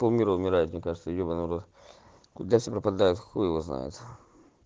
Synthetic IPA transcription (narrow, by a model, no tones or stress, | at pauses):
pomʲiɾəʊmʲɪɾajʊt̪mnʲekaʐɨt̪səjobənəvɐɾot̪ | kʊd̪afsʲepɾəpɐd̪ajʊt̪xojɪvozna̰jʊ̰t̪